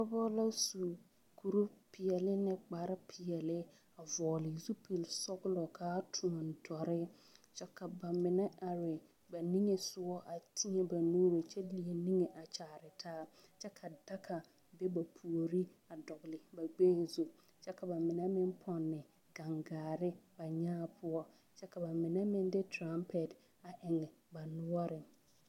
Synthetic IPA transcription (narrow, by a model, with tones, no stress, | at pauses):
kɔ˦bɔ˦la˦su˨ | ku˨ɾu˦pʰɪ˨jɛ˨lɪ˦nɛ˦k͡pa˨ɾɪ˦pʰɪ˨jɛ˨lɪ˦ | a˨vɔː˨lɪ˨zu˦pe˨lsɔ˦ɡʊ˦lɔ˨kʰaː˦tʰũ˨ɔ˨n˨dɔ˨ɾɪ˦t͡ʃɛ˦ka˨ba˨mɪ˨nɛ˦a˨ɾɪ˨ | ba˨ni˦ŋe˨sʊ˦ɔ˦ʔa˨tʰi˦ɛ˦ba˨nuː˦ɾo˨t͡ʃɛ˦li˨e˨ni˦ŋe˨ʔa˨t͡ʃaː˨ɾɪ˨tʰaː˦ | t͡ʃɛ˦kʰa˨da˦kʰa˨ | be˦ba˨pʰu˨o˨ɾi˦ | a˨dɔ˨ɡlɪ˨ba˨ɡ͡beː˦zo˨ | t͡ʃɛ˦ka˨ba˨mɪ˨nɛ˦mɪ˦n˦pʰɔ˨nːɪ˨ | ɡa˨ŋɡaː˨ɾɪ˦ba˨ɲaː˦pʰʊ˦ɔ˦ | t͡ʃɛ˦ka˨ba˨mɪ˨nɛ˦mɪ˦n˦dɪ˦tʰɾa˦mpʰɛ˨t | a˨ʔɪ˨ŋɛ˨ba˨nʊ˦ɔ˦ɾɪ˨